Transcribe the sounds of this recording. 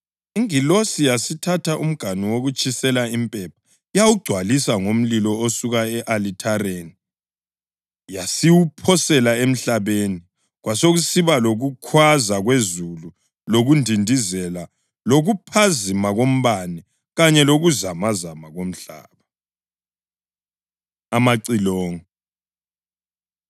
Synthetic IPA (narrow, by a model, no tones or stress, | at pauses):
iŋilosijasitʰatʰaʔum̩ɡ̥ʱaniwoɣut͡ʃʼisɛlaimpʼɛp̚ʰḁ | jawuɡ͡ǀʱwalisaŋom̩lilɔosuɣaɛʔalitʰaɾeni | jasiwupʰɔsɛlaem̩ɬaβeni | ɣwasoɣusiβaloɣukʰwazaɣwezulu | loɣundʱindʱizɛla | loɣupʰazimaɣom̩βani | ɣaɲɛloɣuzamazamaɣom̩ɬa̰ːβa | amaǀilɔːŋɔ